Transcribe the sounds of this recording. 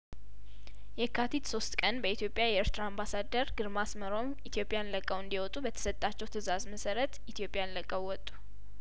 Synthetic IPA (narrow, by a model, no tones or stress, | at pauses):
jɛkʰːat̪ʰit̪so̞st̪kʼənbəit̪jopʼjajɛɛɾt̪ʰɾaambasad̪əɾɡɨɾmasməɾo̞mit̪ʰjo̞pʼɪjanləkʼːəwɨnd̪iwɔt̪ʼubət̪ʰə̥sət̪ʼːat͡ʃːɛwt̪ʰɨzazməsəɾət̪it̪ʰijo̞pʼːjanləkʼːəwːɔt̪ʼːu̥